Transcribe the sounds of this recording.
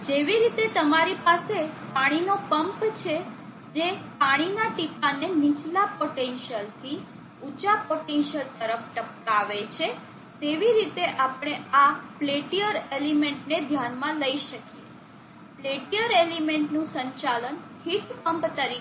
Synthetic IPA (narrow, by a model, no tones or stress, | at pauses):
d͡ʒeʋiɾit̪et̪əmaɾipasepaɽ̃inopəmpt͡ʃʰe | d͡ʒepaɽ̃inaʈikanenit͡ʃlapoʈenʃəlt̪ʰi | ut͡ʃapoʈenʃəlt̪əɾəfʈəp̚k̪aʋet͡ʃʰe | t̪eʋiɾit̪eʔapɽ̃eafleʈijəɾelimeɳʈned̪ʱjanmãləiʃəkije | pleʈijəɾelimeɳʈnũsə̃ɲt͡ʃalən | hiʈpəmpt̪əɾi